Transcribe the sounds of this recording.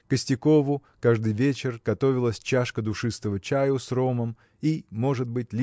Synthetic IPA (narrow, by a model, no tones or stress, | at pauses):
kəsʲtʲɪko̞vʊkaʐd̪ɨjvʲet͡ɕɪrɡ̥ɐt̪o̞vʲɪlˠəsʲt͡ɕaʂkəd̪ʊʂɨst̪əvət͡ɕajʊsro̞məm | imo̞ʐɨd̪̚bɨtʲlʲ